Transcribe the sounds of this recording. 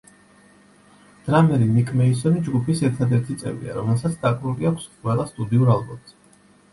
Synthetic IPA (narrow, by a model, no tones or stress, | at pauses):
d̪̥ɾamɛɾinikʰʼmɛis̬ɔnid͡ʒɡupʰisɛɾt̪ʰad̪ɛɾt̪ʰit̪sʼɛ̰vḭa̰ɾɔmɛlˠsat̪sʰd̪̥akʼɾuliakʷʰsqʼwɛlˠast̪ʼud̪iuɾalˠbɔmz̥ɛ